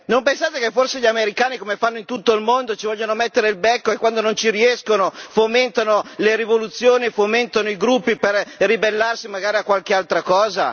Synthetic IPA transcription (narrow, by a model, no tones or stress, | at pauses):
nompensaːt̪ekefːorseʎameɾikaːnikomefanːoint̪ut̪ːoilmond̪ot͡ʃivɔʎːonomɛt̪ːeɾeilbɛkːoekːwand̪onont͡ʃiɾiɛskonofoment̪anoleɾivolut̪sːjoːnifoment̪anoiɡɾupːiperribelːarsimaɡaːɾiakːwalkealt̪ɾakɔːza̰